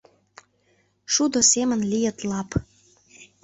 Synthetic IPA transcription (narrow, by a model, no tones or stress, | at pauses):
ʃud̪osemə̆nlijət̪lɑp